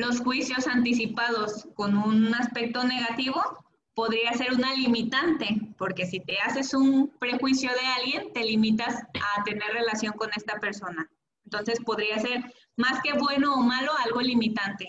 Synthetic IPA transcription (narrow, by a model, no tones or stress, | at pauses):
lo̞sxwisjo̞sant̪isipaðo̞sko̞nunaspe̞k̚t̪o̞ne̞ɣat̪iβ̞o̞ | po̞ðɾiase̞ɾunalimit̪ant̪e̞po̞ɾke̞sit̪e̞ase̞sunpɾe̞xwisjo̞ðe̞alɣje̞nt̪e̞limit̪asat̪e̞ne̞ɾre̞lasjo̞ŋko̞ne̞st̪ape̞ɾso̞na | ent̪o̞nsespo̞ðɾiase̞ɾ | maske̞βwe̞no̞ːmalo̞alɣo̞limit̪ant̪e̞